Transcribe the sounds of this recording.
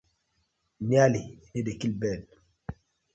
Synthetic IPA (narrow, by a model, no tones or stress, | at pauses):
nialinidekilbɛn